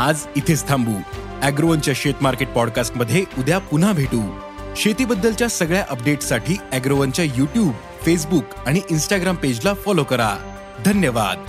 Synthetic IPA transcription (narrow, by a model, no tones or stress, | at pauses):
ad͡zit̪ʰest̪ʰãmbuː | æɡɾoənt͡ɕjaɕet̪maɾkeʈ̚pɔɽkasʈməd̪ʱːjeud̪ʱjapun̤abʱeʈuː | ɕet̪iːbəd̪ːəlt͡ɕjasəɡɭjaʔəp̚ɖeʈsaʈʰiːæɡɾoʋənt͡ɕjajuʈjuːb | fes̬buk | aɽ̃iʔinsʈaɡɾamped͡ʑlafɔlokəɾa̰ | d̪ʱənjəʋa̰d̪